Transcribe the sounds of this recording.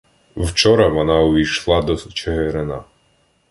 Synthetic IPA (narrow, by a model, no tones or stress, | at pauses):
wt͡ʃɔɾɐʋɔnɑʊʋʲijʃlˠɑd̪ɔt͡ʃeɦeɾenɑ̰